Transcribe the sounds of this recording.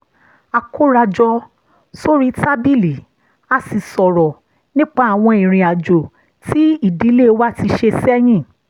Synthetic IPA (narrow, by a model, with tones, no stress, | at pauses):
a˨˧ko˦ɾa˧d͡ʒɔ˧ | so˦ɾi˦ta˦bi˦˨li˨ | a˧si˨sɔ˨ɾɔ˨ | nĩ˦k͡pa˦a˨w̃ɔ̃˧ĩ˨ɾ̃ĩ˨a˨d͡ʒo˨ | ti˨˦i˦˨di˨˦le˦wa˦ti˧ʃe˧sɛ˦j̃ĩ˦˨